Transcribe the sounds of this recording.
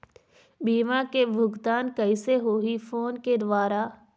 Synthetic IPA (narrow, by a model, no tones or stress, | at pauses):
biːmãkebʱʊɡt̪aːnkɐiseɦoːifʰoːnked̪ʊʋaːɾa